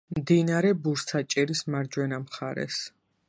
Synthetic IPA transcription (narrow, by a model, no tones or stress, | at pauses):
md̪inaɾɛbuɾst̪ʰat͡ʃʼɛɾismaɾd͡ʒwɛnamχaɾɛ̰s